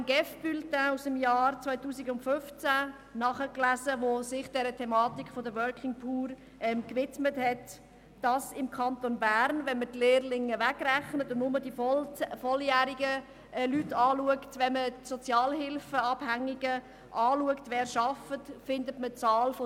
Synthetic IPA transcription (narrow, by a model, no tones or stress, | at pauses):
nɡɛfb̥yltausəmjɑːɾt͡sʋaɪtuːsɪɡʊntfʏft͡sæ | nɑχəklæzəʋosɪχd̥ɛɾətʰɛmɑːtikʰfodəʋœɹkʰɪŋpʰuːɾ | ʔɛmkʋɪtməthɛt | d̥ɑsɪmkʰɑnt̪onbæːɾnʋɛnmətleːrlɪŋːəʋæɡɾæχnətʊndnʊmədifɔljæːɾiɡə | lytːɑːluəktʋɛnmətsɔt͡sjɑːlɦɪlfəɑb̥hæŋiɡ̥ə | ʔɑːluəktʋɛːɾʃɑfətfɪndətmət͡sɑːlfo